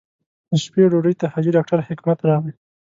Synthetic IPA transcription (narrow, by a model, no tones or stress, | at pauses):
ʃpeɖoɖəjt̪ahad͡ʒiɖɑk̚ʈaɾhɪkmat̪ɾɑʁli